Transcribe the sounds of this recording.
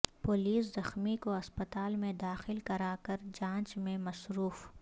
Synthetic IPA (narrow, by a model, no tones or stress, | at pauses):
poːliːszɐxmikoɐspət̪aːlmẽd̪aːxɪlkɐɾaːkɐɾd͡ʒãːt͡ʃmẽmɐsɾuːf